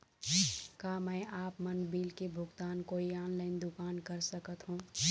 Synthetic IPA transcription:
kamə̃ɪʔaːpmənbiːlkebʱʊɡt̪aːnkoːiaːnləɪnd̪ukaːnkəɾsəkət̪ɦũ

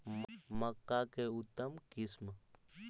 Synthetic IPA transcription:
mməkːakeut̪ːəmkism

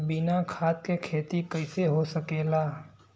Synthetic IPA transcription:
bɪnakʰat̪̚kekʰeːt̪ikəɪseɦosəkeːla

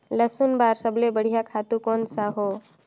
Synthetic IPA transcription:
ləsunbaːɾsəblebəɽ̤ijakʰaːt̪ukonsaɦo

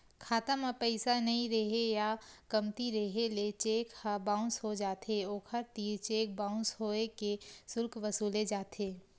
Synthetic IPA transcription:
kʰaːt̪ãmapɛɪsanɐɦĩɾɐɦejakɐmt̪iɾɐɦelet͡ʃeːkhabãːʊ̃nshod͡ʒaːt̪eoːkʰəɾt̪iːɾt͡ʃeːk̚bãːʊ̃nsɦoːekesʊɾkʋɐsuːled͡ʒaːt̪ɦeː

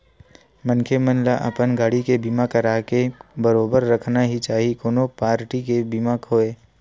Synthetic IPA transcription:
mənkʰemənlaʔɐ̰pənɡʱaɽikebimakəɾaːkebəɾoːbəɾːəkʰnaɦit͡ʃaːɦikoːnopaːɾʈikebimakʰoːeː

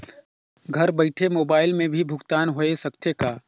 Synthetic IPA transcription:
ɡʱɐɾbəɪʈʰemoːbaːɪlmẽbʱibʱʊɡt̪aːnɦoesɐkt̪jekaː

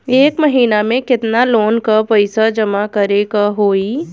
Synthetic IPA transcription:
eːkmɐɦiːnamẽkɪt̪naloːnkapɐɪsad͡ʒɐmakɐɾekaɦoːi

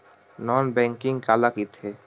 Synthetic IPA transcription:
nɔːnbɛ̃ːŋkɪ̃ŋɡkaːlakit̪ʰeː

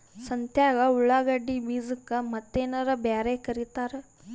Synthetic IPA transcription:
sɐnt̪jaːɡɐuɭːaːɡɐɖːibiːzɨkːɐmɐt̪ːeːnɐɾɐbjaːɾekɐɾit̪aːɾe

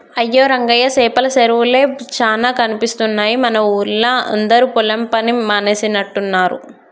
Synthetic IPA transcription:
ɐjːoːɾɐŋɡɐjɐsɛːpɐlɐseɾʋule̞ːt͡ʃaːnaːkɐnipist̪unːaːjimɐnɐuːɾlɐɐ̰nd̪ɐɾupulɐmpɐnimaːnesinɐʈːunːaːɾṵ

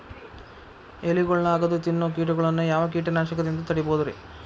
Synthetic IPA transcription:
eliɡɔɭɐlaːɡɐd̪ut̪inːuk̬iːʈ̬uɡɐɭɐnːujaːʋɐk̬iːʈɐnaːʃɐkɐd̪ind̪ut̪ɐɽiboːd̪ɐɾḛ

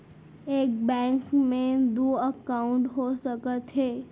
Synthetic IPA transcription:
eːk̚bɛ̃ŋkmẽd̪oəkaʊ̃ɳʈɦosəkət̪ɦe

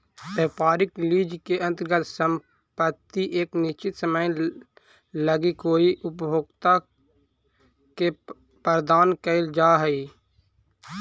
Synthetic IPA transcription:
peːpaːɾɪkliːd͡ʒkeə̃nt̪əɾɡət̪səm | pət̪ːiʔeːknɪt͡ʃɪt̪səməj | ləɡikoːiʔʊpjoːɡt̪a | ke | pəɾd̪aːnkəɪld͡ʒaːɦɛi

